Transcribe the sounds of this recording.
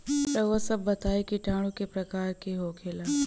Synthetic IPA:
t̪ɐʊɦasɐbːɐt̪aːekiʈaːɽ̃ũkepɾɐkaːɾkiɦoːkʰeːlaː

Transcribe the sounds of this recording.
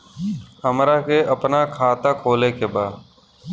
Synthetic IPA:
həmɾaːkʰeːʔəpnaːkʰaːt̪aːkʰoːleːkeːbaː

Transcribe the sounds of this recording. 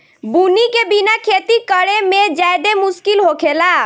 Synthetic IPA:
bunikebinakʰet̪ikəɽemẽd͡ʒajd̪emuskilɦokʰela

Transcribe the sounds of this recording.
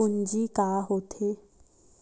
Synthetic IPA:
ʊɲd͡ʒiːkaːɦoːt̪ʰeː

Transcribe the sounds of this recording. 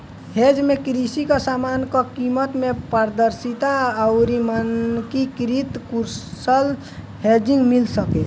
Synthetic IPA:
hed͡ʒmekɾisikɔsamankɔkimət̪mepəɾd̪əɾsit̪aəʊɾimənkikɾit̪kuɾsəl | hed͡ʒĩŋɡmilsəke

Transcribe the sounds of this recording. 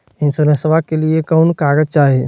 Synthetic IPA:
ɪnsoɾə̃səʋakeliekɔːnkaːɡəd͡ʒt͡ʃaːɦie

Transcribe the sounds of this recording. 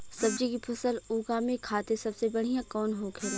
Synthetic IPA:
sɐbd͡ʒikipʰɐsəluːkamẽkʰaːt̪esɐbsebɐɽ̤ijãkɔːnɦoːɡɛ

